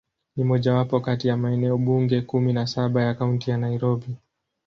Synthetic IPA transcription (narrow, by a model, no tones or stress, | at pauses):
nimɔʄawapɔkatijamaɛnɛɔɓuŋɡɛkuminasaɓajakauntijanaiɾɔɓi